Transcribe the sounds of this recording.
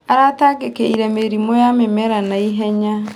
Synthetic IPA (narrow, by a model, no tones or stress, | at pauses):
aɾataːɡekeiɾɛmeɾimɔjamemɛɾanaiɦɛɲa